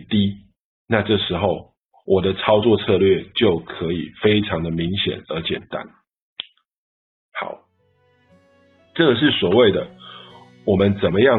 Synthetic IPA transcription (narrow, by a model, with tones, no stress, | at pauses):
t̪i˦ | na˥˧ʈ͡ʂɤ˥˩ʂɻ̩˧˦xo˥˨˩ʊ | wʔɔ˨˩d̪ə˦t͡sʰɑ˥ʊt͡swɔ˥˧t͡sʰɤ˥˧lɥɛ˥˨t͡ɕjo˥˨ʊkʰɤ˧˦i˨˩fe˥ɪʈ͡ʂʰɑ˧˦ŋd̪ə˨mi˨˦ŋɕjɛ̰˨˩nə˞˧˦t͡ɕjɛ̰˨˩nt̪a̰˦n | hɑ̰˨˩˦ʊ | ʈ͡ʂɤ˥˩ɡə˩ʂ̬ɻ̩˥˩swɔ˨˩we˥˩ɪd̪ə˩ | wɔ˨˩mə˦nt͡sə˨˩nmə˦jɑ˥˨